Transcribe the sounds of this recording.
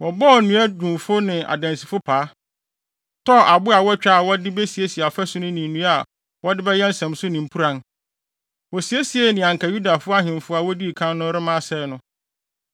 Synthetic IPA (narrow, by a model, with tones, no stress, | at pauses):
wɔ˨bɔ˦˨nũ˦æ˦dũ˨mfʊ˦nɪ̃˨a̰˨dã˨nsi˨fʊ˦pʰaː˨˦ | tʰɔ˦a˨bʊ˦a˨wɔ˦t͡ɕᶣa˦˨wɔ˦dɪ˦be˦si˨e˦si˨a˨ɔ˨fɛ˦sʊ˦nʊ̃˦nĩ˨nũ˦a˨ | wɔ˦dɪ˦bɛ˦jɛ˦n̩˦sɛ̃˨msʊ˦nɪ̃˨m̩˨pʰu˦ɾã˦n | wɔ˨si˨˦e˦si˨e˦nɪ̃˨ã˨ŋ̩˨kʰa˨ju˦da˨fʊ˦a˦ɦɪ̃˨m˨fʊ˦a˨wɔ˦di˦˨kʰã˦nːʊ̃˦ɾɪ˦mã˦sɛ˦˨nʊ̃˦